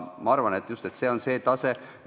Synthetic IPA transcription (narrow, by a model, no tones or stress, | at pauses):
mɑɑɾvɑne̞t̪just̪e̞t̪ːse̞ːo̞nse̞ːt̪ɑse̞